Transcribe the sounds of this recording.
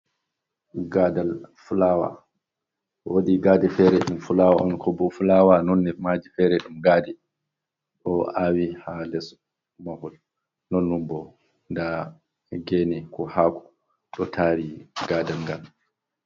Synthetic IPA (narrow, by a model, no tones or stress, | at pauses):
ɡadalfulawa̰ | wodiɡaːdɛfɛɾɛɗumfulawaʔɔnkʰɔbɔfulaːwanɔnːɛmad͡ʒifɛɾɛɗumɡaːdɛ | ɗɔawihalɛs | mahɔl | nɔnːumbɔ | nda | ɡɛnɛkɔhaːku̥ | ɗɔtʰaːɾiɡaːdalŋɡal